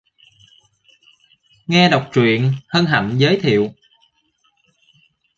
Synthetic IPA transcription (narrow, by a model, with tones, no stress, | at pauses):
ŋɛ˧ɗa˨˩wk͡p̚t͡ɕwḭ˧˨ənhəː˧nɦa̰˧˩˨nzəː˨˦jt̪ʰḭ˧˨əw